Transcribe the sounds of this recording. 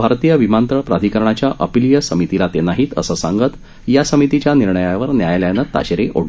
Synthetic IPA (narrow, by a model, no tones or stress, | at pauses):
bʱaɾt̪ijəʋimant̪ɾəpɾad̪ʱikəɾɳat͡ɕjaʔəpilijəsəmit̪ilat̪enaɦiːt̪ə̰səsã̰ŋɡət̪ | jasəmit̪it͡ɕjaniɾɳəjaʋəɾnjajljanət̪a̰ɕɾeʔo̰ɽ